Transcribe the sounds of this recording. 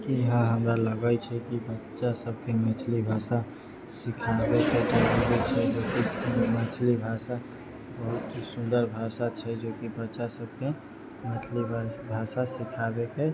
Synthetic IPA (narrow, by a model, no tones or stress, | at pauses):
kiɦə̃ɦəmɾaləɡait͡ʃʰɛkibətːʃasəb̚kemɛːt̪ʰlibʱaːsa | sɪkʰaːbeked͡ʒaɾuɾit͡ʃʰɛd͡ʒoːkimɛʈʰlibʱaːsa | bəɦʊt̪ɦisʊ̃nd̪əɾbʱaːsat͡ʃʰɛd͡ʒoːkibətːʃasəb̚ke | met̪ʰlibʱaːsasɪkʰaːbeke